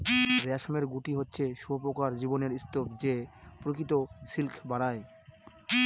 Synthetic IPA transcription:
ɾeaʃomeɾɡuʈiɦotːɕʰeʃuopokaɾd͡ʑiboneɾist̪obd͡ʑepɾokit̪oʃilkʰbaɾae

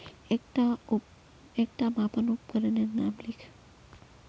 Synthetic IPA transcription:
ek̚ʈa | ek̚ʈamãpənupkəɾenenamlikʰ

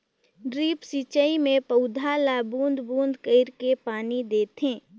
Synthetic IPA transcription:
ɖɾiːpsiːt͡ʃəimẽpəʊd̪ʱalaːbũːnd̪ʱbũːnd̪kəɪɾkepaːnid̪eːt̪ɦẽː

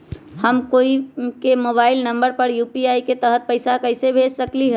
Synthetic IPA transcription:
həmkoikemobaɪlnəmbəɾpəɾjupiaiket̪əɦət̪̚pəɪsakəɪsebʱed͡ʒsəkliɦəl

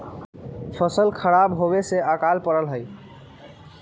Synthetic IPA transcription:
pʰəsəlkʰəɾabɦobeseakalpəɾəlɦəj

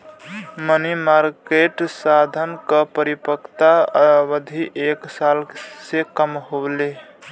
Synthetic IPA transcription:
mənimaɾkeʈsad̪ʱənkəpəɾipəkt̪aəbəd̪ʱiʔeksalsekəmɦole

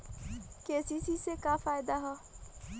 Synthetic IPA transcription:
keːsisisekaːfaːɪd̪aɦɛː

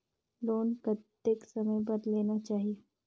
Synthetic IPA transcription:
loːnkɐt̪ː | eksɐməjp̬ɐɾleːnat͡ʃaːɦieː

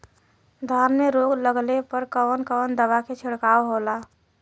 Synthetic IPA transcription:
d̪ʱaːɾmeɾoːɡləɡlepəɾkɔːnkɔnd̪əʋakʰet͡ʃʰɪɽkaːoɦolaː

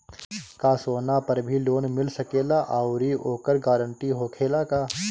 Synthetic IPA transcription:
kasoːnapɐɾbʱiloːnmɪlsɐkeːlaʔaːʊɾioːkəɾɡaːɾə̃ɳʈiɦoːkʰeːlakaː

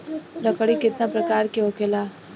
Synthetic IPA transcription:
lɐkəɽikɪt̪napɾɐkaːɾkeʊkela

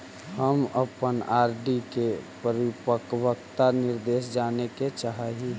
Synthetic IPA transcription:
həməpənaːɾɖikepəɾɪpəkwəkt̪anɪɾd̪eːʃd͡ʒaːneket͡ʃaɦaɦi

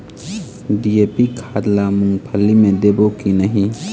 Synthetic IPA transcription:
ɖiepikʰad̪lamuŋɡpʰəlːimẽd̪ebokinəɦĩ

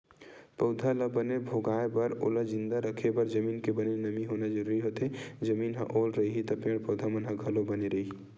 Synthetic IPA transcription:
pəʊd̪ʱaləbənebʱoːɡaːebɐɾo̰ləd͡ʒɪ̃nd̪aɾəkʰebɐɾd͡ʒəmiːnkebənenɐmiɦoːnad͡ʒəɾuːɾiɦoːt̪ed͡ʒəmiːnɦɐ̰̃ʔoːlɾɐiɦit̪ɐpẽɽpɐʊd̪ʱamɐnɦə̃ɡʱɐlobɐneɾɐɦiɦi

